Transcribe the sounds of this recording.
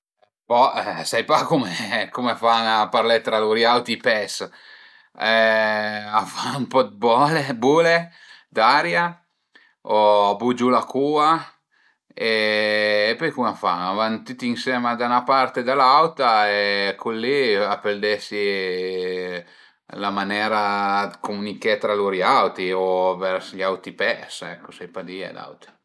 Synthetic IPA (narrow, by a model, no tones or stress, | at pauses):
pɔɛsajpakumekumeafanapaɾlɛt̪ːɾaluɾjawt̪ipɛs | ɛ | afaumpɔd̪bɔlebuːle | d̪aɾja | ɔabud͡ʒulakuːa | eː | pɔjkumafaavant̪it̪iinsɛːmad̪anapaɾt̪ed̪alawt̪aekʰulːiapeld̪ɛsi | lamanɛːɾad̪komunikɛt̪ɾaluɾiawt̪iovɛɾsʎawt̪ipɛsɛkʰːosɛjpad̪ia̰d̪a̰wt̪a